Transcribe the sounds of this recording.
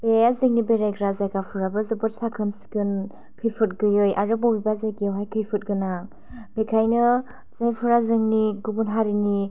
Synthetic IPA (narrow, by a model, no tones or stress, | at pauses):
b̥eazeŋnibeɾajɡɾazajkapʰuɾabɯzɯbɯtsakʰɯnsi̥kɯn | kʰɯjpʰɯt̚ɡɯjɯjʔa̰ɾɯbobibazaɡiwɦajkʰɯjpʰɯt̚ɡɯnaŋ | bekʰajnɯ | zajpʰuɾazɯŋniɡubunɦaɾini